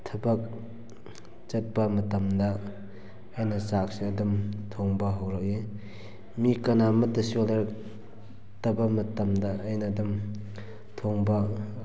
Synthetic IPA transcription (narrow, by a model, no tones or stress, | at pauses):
tʰɐbɐk̚ | t͡ʃɐt̚bɐmɐtɐmdɐː | jnɐsak̚siɐdumtʰoŋbɐɦawɾɐk̚je | mikɐnamɐtɐsiolɐɾ | tɐbɐmɐtɐmdaːjnadum | tʰoŋbɐ